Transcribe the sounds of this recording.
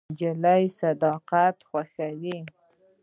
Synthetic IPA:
d͡ʒalajsad̪ɑqat̪xwaxawi

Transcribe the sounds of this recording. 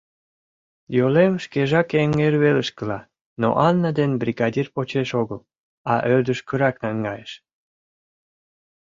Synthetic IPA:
jolemʃkeʒɑkeŋerβeləʃkəlɑ | no̰ʔɑnːəd̪enbrʲiɣɑdʲirpot͡ɕeʃoɣəl | ɑʔød̪əʃkəɾɑknɑŋɡɑjeʃ

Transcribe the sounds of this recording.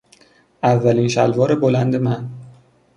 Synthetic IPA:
ʔævːæliːnʃælvɒːɾebolænd̪e̞mæn

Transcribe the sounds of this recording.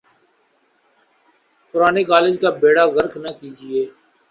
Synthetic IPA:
pʊɾaːnekaːlɪd͡ʒkaːbeːɽaːɣəɾknəkiːd͡ʒɪeː

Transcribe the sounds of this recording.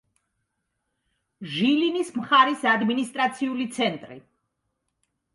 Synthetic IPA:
ʒilinismχaɾisad̪minist̪ʼɾat̪sʰiulit̪sʰɛnt̪ʼɾḭ

